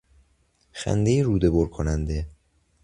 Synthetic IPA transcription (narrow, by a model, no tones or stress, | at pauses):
xæ̰nd̪ejeɾuːd̪e̞boɾkʰonænd̪e